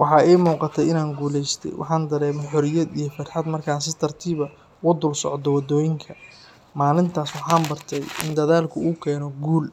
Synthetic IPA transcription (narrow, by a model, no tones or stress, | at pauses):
wʔɑħɑːɛjmuːqɑt̪ʰɛjɪnaːŋɡuːlɛjst̪ʰɛ̰jwʔɑ̰ħɑːnd̪ɐɾɛːmɔħɔɾɪjɐd̪ijɞfɐt̪ħɑd̪mɐrkʰaːnsɪt̪ʰɐrt̪ʰiːβɐ | wʊd̪ʊlsɔ̰ʕd̪ɔwɐd̪ɔːjɪŋkʰɐ | maːlɪnt̪ʰaːswɑħɑːmbɐrt̪ʰɛjɪ̰nd̪ɐðaːlkʰʊuːkʰɛːnɔɡuːl